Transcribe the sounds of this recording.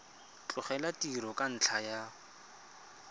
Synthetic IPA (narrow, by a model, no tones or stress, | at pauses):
t͡ɬʼʊχɛlatiɾɔkʼan̩t͡ɬʰaja